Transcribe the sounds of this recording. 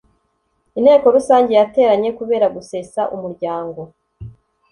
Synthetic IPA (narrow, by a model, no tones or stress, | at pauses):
in̥he̞ːko̞ɾusaːɲɟe̞jate̞ːɾaɲe̞kuβe̞ːɾaɡuse̞saʔumuɾɟaːŋɡo̞